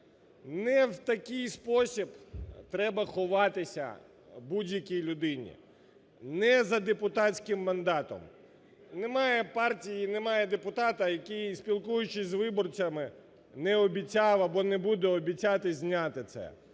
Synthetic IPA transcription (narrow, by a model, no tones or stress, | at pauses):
nɛwt̪ɐkɪjspɔsʲibt̪ɾɛbɐxɔʋɑt̪ɪsʲɐ̰ | budʲjɐkʲijlʲʊd̪ɪnʲḭ | nɛzɐd̪epʊt̪atʲsʲkɪmːɐnd̪ɑt̪ɔ̰m | nɛmɑjɛpɑrtʲijinɛmɑjɛd̪epʊt̪at̪ɐjɐkɪjsʲpʲilˠkujʊt͡ʃɪzʋɪbɔrt͡sʲɐmɪ | nɛɔbʲit͡sʲaʋɐbɔnɛbud̪ɛɔbʲit͡sʲat̪ɪzʲnʲat̪ɪt̪sɛ̰